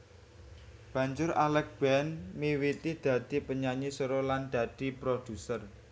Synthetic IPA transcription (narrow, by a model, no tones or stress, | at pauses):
b̥ä̤ɲd͡ʒʊɾalɛk̚b̥ɛnmiwit̪id̪̥ä̤d̪̥ipəɲaɲisoɾɔland̪̥ä̤d̪̥i̤pɾod̪̥ṳsər